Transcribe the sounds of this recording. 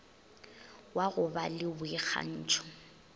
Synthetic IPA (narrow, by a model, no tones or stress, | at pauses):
waɣʊbalɪbʊɪɣʰa̰n̩ːt͡ʃʰʼʊ̥